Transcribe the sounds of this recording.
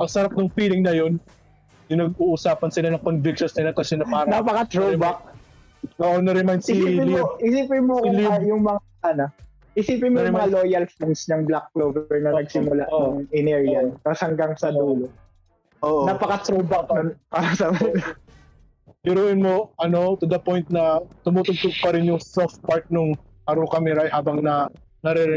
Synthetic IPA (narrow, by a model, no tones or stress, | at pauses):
pɐɡsɐɾɐp̚nʊŋfiːlɪŋnɐjo̞n | jʊnɐɡ̚uʔusaːpɐnsɪlanɐŋkonvikʃonsnɪlɐkɐsɛnɐpaːnapɐkɐt̪ɾobɐk̚ | kɐʔonːɐɾɛmajnsɪɪsiɪloʔɪsiːpɪmoɐkliajʊŋmɐŋaʔɐno | ɪsiːpɪnmojʊmɐɐŋaloːjɐlfinsnɐŋblak̚floːbɛɹnɐnɐɡsɪmʊlaʔnɐŋɪnɛɹjjant̪ashɐŋɡɐŋsɐd̪uːlo | ʔoːʔonɐpɐkɐt̪ɾobɐnɐpaɾɐsɐmɐ | jɪɾuʔɪnmoʔɐno̞t̪ʊd̪ɐpo̞jnt̪̚nɐt̪ʊmʊt̪ʊɡ̚t̪oɡ̚pɐɾɪnjʊŋsoft̪̚paɹt̪̚nʊŋ | ʔɐɾokɐmɛɾahaːbɐŋnɐ | nɐɾɛɾɛ